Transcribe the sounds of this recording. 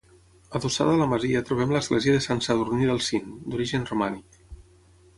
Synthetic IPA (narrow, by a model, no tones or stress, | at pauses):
əðusa̰ðəːləməziət̪ɾuβ̞ɛmləzɣlɛziəðəsansaðurniðəlˠsind̪uɾiʒənrumanik